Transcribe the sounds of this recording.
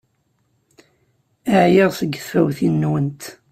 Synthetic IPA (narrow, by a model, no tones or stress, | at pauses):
əʕjɪʁsəɡːθfæwθinːwənt̪